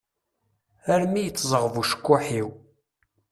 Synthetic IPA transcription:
æɾmijət͡sːzˤəʁəvuʃə̥kːʊħiw

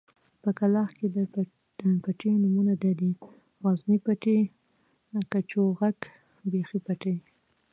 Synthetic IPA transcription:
pəkalɑxked̪ | əpaʈenumunad̪ɑd̪i | ɣɑznipaʈe | kat͡ʃoɣaɡ | bexipaʈe

